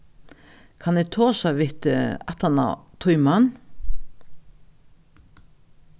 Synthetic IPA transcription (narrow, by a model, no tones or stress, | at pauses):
kʰɑnɛt̪ʰoːsɑʋɪt̪əɑt̪ɑna̰t̪ʰʊʏmɑn